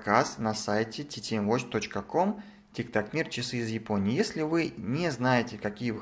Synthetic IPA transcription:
kasnɐsajtʲɪtʲɪtʲimvot͡ɕʲt̪ot͡ɕkəkom | tʲɪkt̪aknʲirt͡ɕɪsɨːzjɪponʲɪjjesʲlʲɪvɨnʲɛznajɪtʲɪkɐkʲijəvɨ

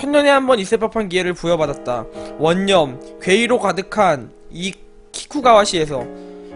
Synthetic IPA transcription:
t͡ɕʰʌnːʌnehambʌnis͈epʰapʰankie̞ɾɯɭpujʌbadat̚t͈awʌɲːʌmkɥwe̞iɾokadɯkʰani | kʰi̥kʰuɡawaɕʰie̞sʰʌ

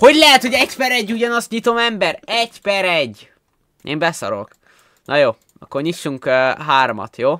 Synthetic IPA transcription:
ho̞ɟlɛɦɛt̪ho̞ɟɛcpɛɾɛɟːuɟɒnɒst̪ɲit̪o̞mɛmbɛɾɛcpɛɾɛɟː | ḛːmbɛsɒ̰ɾo̰k | nʔɒjoː | ɒ̰kːorɲiʃːuŋkːɦaːɾomɒ̰t̪joː

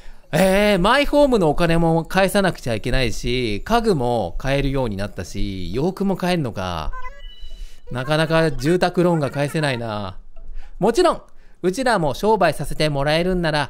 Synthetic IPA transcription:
eːmaiɸo̞ːmɯ̟no̞ːkane̞mo̞kae̞sanakɯ̥t͡ɕaike̞naiɕikaɡɯ̟mo̞kae̞ɾɯ̟jo̞ːɲ̟inat̪ːaɕḭjo̞ːkɯ̟mo̞kae̞ɾɯno̞ka̰ | nakanakad͡ʑɨːt̪akɯ̟ɾõ̞ŋɡakaese̞naina̰ | mo̞t͡ɕiɾõ̞ŋ | ɯ̟t͡ɕiɾamo̞ɕo̞ːbaisase̞t̪e̞mo̞ɾae̞ɾɯ̟̃nːaɾa

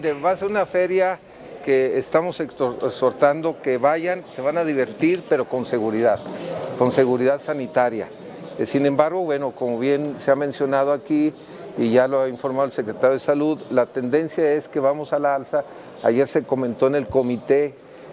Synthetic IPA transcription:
miɾeβaːse̞ɾunafe̞ɾja | keːst̪amo̞sekoekso̞ɾt̪and̪o̞ke̞βaʝanse̞βanaðiβ̞e̞ɾt̪iɾpe̞ɾo̞ko̞nse̞ɣuɾiðaðko̞nse̞ɣuɾiðaðsanit̪aɾja̰ | sinẽ̞mbaɾɣo̞βwe̞no̞ko̞mo̞βje̞nse̞amẽ̞nsjo̞nað̞oakiː | ʝaloaiɱfo̞ɾmaðelse̞kɾe̞t̪aɾjoð̞esaluðlat̪e̞nd̪e̞nsjae̞ske̞βamo̞salaalsa | a̰ʝe̞ɾse̞ko̞mẽ̞nt̪o̞ene̞lko̞mit̪e̞

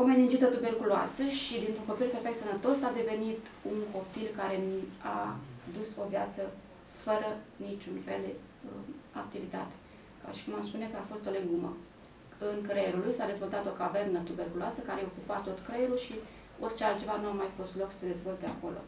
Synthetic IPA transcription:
ome̞nind͡ʒit̪ət̪uberkuloa̰səʃid̪int̪ɾuŋkopt̪ilɾperfek̚t̪sənət̪o̞sad̪e̞ve̞nit̪uŋko̞pt̪ilkaɾe̞na̰d̪uso̞vjat̪sə | fəɾənit͡ʃunfe̞ld̪e | əa̰k̚t̪ivit̪a̰t̪e̥ | ka̰ʃi̥kumamspune̞kəafo̞st̪o̞leŋɡumə̰ | ɨŋkɾejeɾulujsad̪e̞zvo̞lt̪at̪o̞kave̞rnət̪ube̞rkuloasəkaɾejeo̞kupat̪ːo̞t̪kɾejeɾulʃi | o̞rt͡ʃealt̪t͡ʃe̞vanuamajfo̞st̪lo̞ksəd̪e̞zvo̞lt̪ea̰ko̞lo̞̰

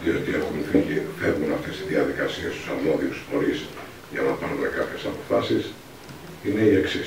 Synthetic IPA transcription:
iot̪ie̞xunθiʝiθe̞vunɐft̪e̞st̪izðiɐðikɐsiest̪u̥sɐmo̞ðiusxo̞ɾis | ʝɐnɐpɐɾonekɐpçe̞sɐpo̞fɐsis | ine̞ie̞ksi

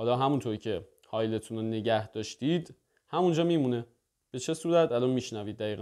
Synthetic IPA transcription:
hɒːlɒːɦæmunt̪ʰoɾicʰe̞ | hɒːjle̞t̪ʰunone̞ɟæhd̪̥ɒːʃt̪iːd̪̥ | hæmund͡ʒɒːmiːmune | b̥e̞t͡ʃʰe̞suːɾæt̪ʰælɒːnmiːʃnæviːd̪ːæiːɣæ

